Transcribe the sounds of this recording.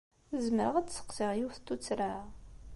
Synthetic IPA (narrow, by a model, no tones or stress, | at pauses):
əzməɾəʁəsə̥qsiʁjiwθt̪ːut͡sːɾa